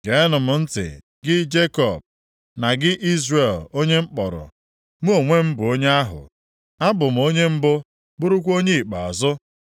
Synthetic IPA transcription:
ɡe˨˦nʊ˨mʊ˨n̩˦tɪ̰˨ | ɡɪ˦d͡ʒe˦kɔ˨b̚ | na˨ɡɪ˦ʔi˦zre˨lo˦ɲe˦m̩˦k͡pɔ˨ɾʊ̰˨ | mu˦o˨ŋʷe˦m̩˦bʊ˨o˦ɲe˦a˦ɦʊ̰˨ | a˦bʊ˨m̩˨o˦ɲe˦m̩˦bʊ˦ | bʊ˦ɾʊ˦kʷo˦ɲe˦i˨k͡pa˨ɔ̰˨zʊ˦

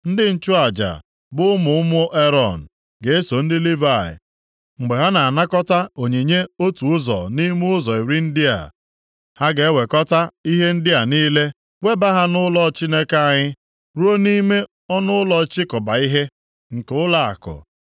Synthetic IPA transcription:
n̩˦dɪ˦n̩˦t͡ʃʊ˦a˨d͡ʒa̰˨ | bʊ˦ʊ˦mʊ˨ʊ˦mʊ˦ʔe˦ɾɔ˨n̩˨ | ɡe˨e˦so˨n̩˦dɪ˦li˦va˦˨ɪ̰˨ | ŋ͡m̩˨ɡ͡be˨ɦa˦na˨a˨na˦kɔ˦ta˦o˨ɲe˨ɲe˦o˦tu˨ʊ˦zɔ̰˨ni˦m˦ʊ˦zɔ˨i˨ɾi˦n̩˦dɪ˦a̰˨ | ha˦ɡe˨e˦we˨kɔ˦ta˦i˦ɦe˦n̩˦dɪ˦a˨niː˦le˦ | we˦ba˦ɦa˦nʊ˦lɔ˦t͡ʃi˦ne˦ka˨ɲɪ˦ | ɾu˦o˦ni˦me˦ | ɔ˦nʊ˦ʊ˦lɔ˦t͡ʃɪ˦kɔ˨ba˨i˦ɦe˦ | ŋ̩˨ke˨˦ʊ˦la˦a̰˨kʊ̰˨

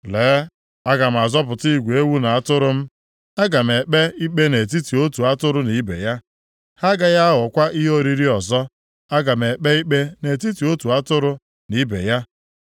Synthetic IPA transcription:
leː˨˦ | a˦ɡa˨m̩˨a˨zɔ˦p̬ʊ˨ti˦˨ɡʷu˨e˦wu˦na˨a˦tʊ˦ɾʊ˦m̩˦ | a˦ɡa˨m̩˨e˨k͡pe˦i˦k͡pe˦ne˨t̬i˦ti˨o˦tu˨a˦tʊ˦ɾʊ˦ni˨˦bḛ˨ja˦ | ha˦ɡa˨ja˦a˦ɦʊ˨˦kʷa˦ʔi˦ɦo˦ɾi˦ɾi˦ɔ˨zɔ˦ | a˦ɡa˨m̩˨e˨k͡pe˦i˦k͡pe˦ne˨ti˦ti˨o˦tu˨a˦tʊ˦ɾʊ˦ | ni˨˦bḛ˨ja˦

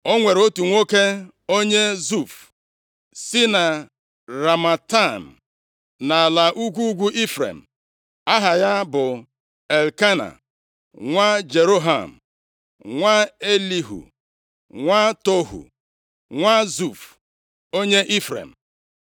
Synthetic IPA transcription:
o˦ŋʷe˨ɾo˦tu˨ŋʷo˦ke˦ | o˦ɲe˦zu˦˨f | sɪ˦na˨ | ɾa˨ma˨ta˦˨m̩˨ | na˨la˨ʔu˦ɡʷu˦ɡʷu˦ʔi˦fɾḛ˨m̩˨ | a˦ɦa˨ja˦bʊ˨ | e˨lka˦na̰˨ | ŋʷa˦d͡ʒe˨ɾo˦ɦa̰˨m̩˨ | ŋʷa˦e˦li˦ɦṵ˨ | ŋʷa˦to˦ɦṵ˨ | ŋʷa˦zu˦˨f | o˦ɲe˦ʔi˦fɾḛ˨m̩˨

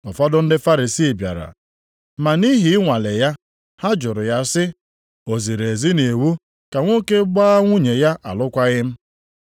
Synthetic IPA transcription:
ɔ˨fɔ˦dʊ˦n̩˦dɪ˦fa˦ɾi˨si˦˨bja̰˨ɾa̰˨ | ma˨ni˦ɦi˨ɪ˦ŋʷa˨le˨ja˦ | ha˦d͡ʒʊ˨ɾʊ˨ja˦sɪ˦ | o˨zi˨ɾe˨zi˦ne˨wu˦ | ka˨ŋʷo˦ke˦ɡ͡ba˦ŋʷu˦ɲe˨ja˦ʔa̰˨lʊ˦kʷa˦ɣɪ˦m̩˦

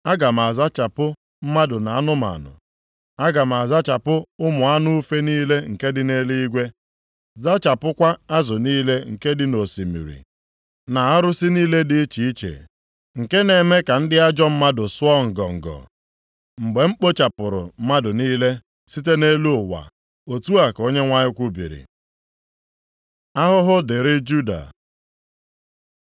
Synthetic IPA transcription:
a˦ɡa˨m˨a˨za˦t͡ʃa˨pʊ˦ | m̩˦ma˦dʊ˨na˨a˦nʊ˦ma̰˨nʊ̰˨ | a˦ɡa˨m˨a˨za˦t͡ʃa˨pʊ˦ʊ˦mʊ˨a˦nʊ˦u˦fe˦niː˦le˦ŋ̩˨ke˦dɪ˦ne˦li˦ɡʷe˦ | za˦t͡ʃa˨pʊ˦kʷa˦a˦zʊ˨niː˦le˦ŋ̩˨ke˦dɪ˦no˨si˨mḭ˨ɾḭ˨ | na˨a˦ɾʊ˦sɪ˦niː˦le˦dɪ˦i˦t͡ʃi˨i˦t͡ʃḛ˨ | ŋ̩˨ke˦ne˨me˦ka˨n̩˦dɪ˦a˦d͡ʒɔ˦m̩˦ma˦dʊ˨sʊ˦ɔ˦ŋ̩˨ɡɔ˨ŋ̩˨ɡɔ̰˨ | ŋ͡m̩˨ɡ͡be˨ŋ͡m̩˦k͡po˦t͡ʃa˨pʊ˨ɾʊ̰˨m̩˦ma˦dʊ˨niː˦le˦ | si˦te˦ne˦lu˦ʊ˨wa̰˨ | o˨tu˦a˨ko˦ɲe˦ŋʷa˦ɲɪ˦kʷu˦bḭ˨ɾḭ˨ | a˦ɦʊ˦ɦʊ˦dɪ˨ɾɪ˦d͡ʒu˦da̰˨

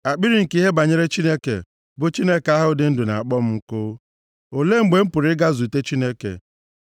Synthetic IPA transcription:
a˨k͡pi˦ɾi˨ŋ̩˨ki˦ɦe˦ba˨ɲe˦ɾe˦t͡ʃi˦ne˦kḛ˨ | bʊ˨t͡ʃi˦ne˦ke˨a˦ɦʊ˦dɪ˦n̩˦dʊ˨na̰˨a˨k͡pɔ˦m̩˦ŋ̩˦kʊ˦ | o˨le˦ŋ͡m̩˦ɡ͡be˨m̩˦pʊ˨ɾɪ˦ɡa˦zu˨te˦t͡ʃi˦ne˦kḛ˨

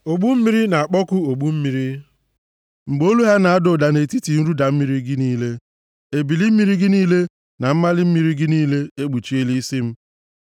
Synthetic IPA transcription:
o˨ɡ͡bu˦m̩˦mi˦ɾi˦na˨a˨k͡pɔ˦kʊ˦o˨ɡ͡bu˦m̩˦mi˨ɾi˦ | ŋ͡m̩˨ɡ͡bo˦lu˦ɦa˦na˨a˦do˦˨da˨ne˨ti˦ti˨n̩˦ɾu˦da˨m̩˦mi˦ɾi˦ɡɪ˦niː˦le˦ | e˨bi˨li˦m̩˦mi˦ɾi˦ɡɪ˦niː˦le˦ | na˨m̩˦ma˦lɪ˦m̩˦mi˨˦ɾi˦ɡɪ˦niː˦le˦e˦ɡ͡bu˨t͡ʃi˦e˦li˦si˦m̩˦

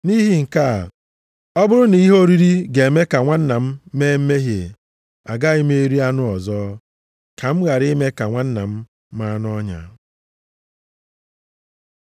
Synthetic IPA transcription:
ni˦ɦi˦ŋ̩˨ka˦˨ | ɔ˦bʊ˦ɾʊ˦ni˨i˦ɦo˦ɾi˦ɾi˦ɡe˨e˨me˦ka˨ŋʷa˦n̩˦na˨m̩˦me˦m̩˦me˦ɦje˨ | a˨ɡa˦i˦me˦e˦ɾi˦a˦nʊ˦ɔ˨zɔː˦ | kʰa˨m̩˦ɣa˨ɾɪ˦me˦ka˨ŋʷa˦n̩˦na˨m̩˦ | ma˦a˦nʊ˦ɔ˦ɲa̰˨

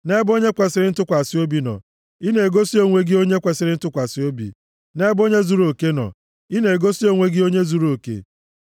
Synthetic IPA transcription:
ne˦bo˦ɲe˦kʷe˨sɪ˨ɾɪ˦n̩˦tʊ˦kʷa˨sɪ˦o˦bi˨nɔ̰˨ | i˦ne˨e˨ɡo˦si˦o˦ŋʷe˦ɡɪ˦o˦ɲe˦kʷe˨sɪ˨ɾɪ˦n̩˦tʊ˦kʷa˨sɪ˦o˦bḭ˨ | ne˦bo˦ɲe˦zu˦ɾo˨ke˦nɔ̰˨ | i˦ne˨e˨ɡo˦si˦o˦ŋʷe˦ɡɪ˦o˦ɲe˦zu˨˦ɾo˨kḛ˨

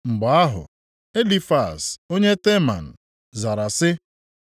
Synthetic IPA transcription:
ŋ͡m̩˨ɡ͡bɔ˨a˦ɦʊ̰˨ | e˦li˨fa˨so˦ɲe˦te˦ma̰˨n̩˨ | za˨ɾa˨sɪ˦

